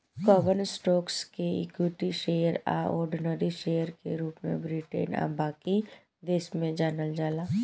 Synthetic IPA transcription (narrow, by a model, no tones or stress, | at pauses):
kɔːbənsʈoːkskeḭkjuʈiʃeːəɾa̰ɔ̰ːɾɖnəɾiʃeːjəɾkeɾuːpmḛ̃bɾiʈḛːna̰baːki | d̪eːsmẽd͡ʒaːnəld͡ʒaːlaː